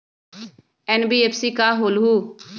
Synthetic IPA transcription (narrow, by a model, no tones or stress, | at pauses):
ɛnbiːeːpʰsiːkaːɦoːlɦuː